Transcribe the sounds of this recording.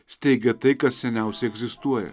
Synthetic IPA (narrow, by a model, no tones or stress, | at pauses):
sʲt̪ʲɛɪɡʲɛt̪ɐɪkɐt̪sʲɛnʲɛˑʊsʲɛɛɡzʲɪst̪uɔjɛ̰